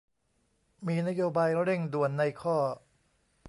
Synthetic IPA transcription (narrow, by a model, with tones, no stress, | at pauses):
miː˧na˥joː˧baː˧jɾe˥˩ŋdu˨˩ənːa˧jkʰɔː˥˩